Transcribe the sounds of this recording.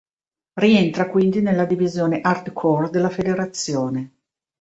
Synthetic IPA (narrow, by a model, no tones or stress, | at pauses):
rient̪ɾakwind̪inelːad̪ivizjoːneʔart̪kʰɔrd̪elːafed̪eɾat̪sːjoːne